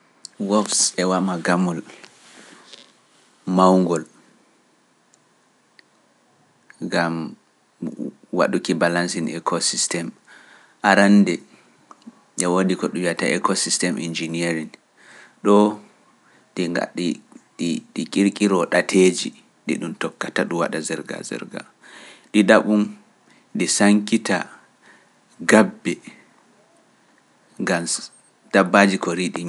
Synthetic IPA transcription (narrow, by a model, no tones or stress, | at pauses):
wɔfsɛwamaɡamul | mawŋɡɔl | ŋɡam | wa̰ɗukibalansinɛ̰kʰɔsistɛm | ʔaɾandɛ | ʔɛwoɗikɔɗujataɛkɔsistɛmʔḭnd͡ʒinieɾin | ɗɔ | ɗa̰ | ɗikʼiɾkʼiɾɔɗatʰed͡ʒi | ɗḭɗumtɔkːataɗuwa̰ɗazɛɾɡa̰zɛ̰ɾɡa̰ | ɗiɗaɓun | ɗisaŋkita̰ | ɡabːɛ | ŋɡam | d̥abːad͡ʒikɔɾiɗi